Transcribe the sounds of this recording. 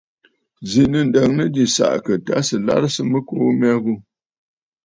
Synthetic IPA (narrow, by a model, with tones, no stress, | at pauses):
zi˨nə˨n˨də˨ŋnə˦di˨sa̰˨ʔkə˨ta˦sɨ˨la̰˦ɾsɨ˦mə˦koː˦mɛ˦ɣu˦